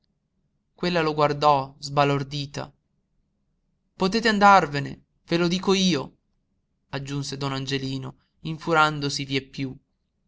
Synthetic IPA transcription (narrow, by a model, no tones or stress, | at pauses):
kwelːaloɡward̪ɔzbalord̪iːt̪a̰ | pot̪eːt̪eand̪arvenḛ | velod̪iːkoiːo | ad͡ʒːunsed̪ɔnand͡ʒeliːno | iɱfuɾand̪osiviepːju